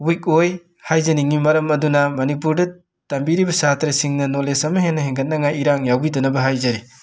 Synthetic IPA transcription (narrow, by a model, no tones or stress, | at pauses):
wik̚oj | hajzɐniŋimɐɾɐmɐdunɐmɐnipuɾdɐ | tambiɾibɐsatɾesiŋnɐnolesɐmɐɦenːɐɦeŋɡɐt̚nɐŋajiɾaŋjawbidɐnɐbɐɦajzɐɾi